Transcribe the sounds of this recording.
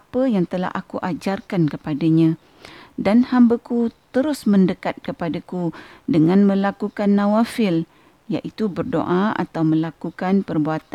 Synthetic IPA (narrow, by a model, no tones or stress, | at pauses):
apəjaŋt̪əla̰ɦa̰kuʔad͡ʒarkankəpadaɲã | danhambakut̪əɾʊsmə̃ndəkat̪̚kəpadakudəŋãnmə̃lakukanːãwafɪl | jaʔit̪ubərdo̰ʔaa̰t̪awmə̃lakukanpərbuat̪a